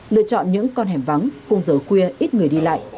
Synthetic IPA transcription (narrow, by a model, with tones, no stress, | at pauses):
lɨ̰˧ət͡ɕɔ̰˧˨nɲɨ̰˧˥ŋkɔ˧nɦɛ˨˩mva˨˦ŋnxə˧wŋ͡mzəː˨˩xwi˧əʔi˦˥t̚ŋɨ˨˩əjɗi˧la̰ː˧˨jʔ